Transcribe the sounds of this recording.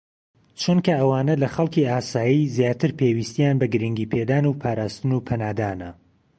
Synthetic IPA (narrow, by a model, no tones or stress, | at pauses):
t͡ʃʰunkʰɐʔɐwaːnɐlɐxɐlˠkiaːsaːjizjaːt̪ʰɨɾpʰewiːst̪ijaːnbɐɡɨɾɨŋɡiːpʰed̪aːnuːpʰaːɾaːst̪ɨnupʰɐnaːd̪aːnɐ̰